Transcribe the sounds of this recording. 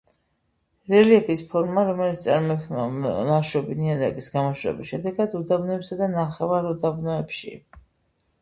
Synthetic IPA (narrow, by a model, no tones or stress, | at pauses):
ɾɛliɛpʰispʰɔɾmaɾɔmɛlit̪st̪sʼaɾmɔɛk̪ʰlaʃɔbiniad̪aɡisɡamɔʃɾɛ̰bisʃɛd̪ɛɡad̪ud̪abnɔɛpsad̪anaχɛvaɾud̪abnɔɛpʃḭ